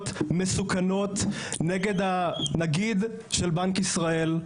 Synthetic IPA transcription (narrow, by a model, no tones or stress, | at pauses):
t̪mesukano̞t̪ | neɡe̞d̪hanaɡid̪ | ʃelbankisʁae̞l